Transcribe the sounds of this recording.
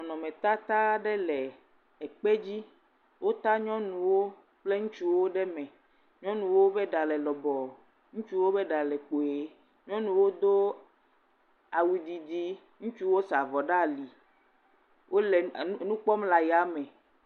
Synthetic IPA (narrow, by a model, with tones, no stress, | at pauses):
nɔ̃˨nɔ̃˨mẽ˨t̪a˦t̪a˦ɖɛ˦lɛ˨ | ɛ˨k͡pe˦d͡ʑi˦ | wʔo˦t̪a˦ɲɔ̃˦nũ˨wo˦ | k͡ple˦ŋũ˦t͡ʃu˦wo˦ɖɛ˦mɛ̃˨ | ɲɔ̃˦nũ˨wo˦bɛ˦ɖa˨lɛ˨lɔ˨bɔ˨ | ŋũ˦t͡ʃu˦wo˦bɛ˦ɖa˨lɛ˨k͡po˨e˨˦ | ɲɔ̃˦nũ˨wo˦d̪o˦ | a˨wu˨d̪i˨d̪i˦ | ŋũ˦t͡ʃu˦wo˦sa˨vɔ˨ɖa˦˨li˨ | wʔo˦lɛ˨˦nũ˦k͡pɔ˦mla˨ja˨mɛ̃˨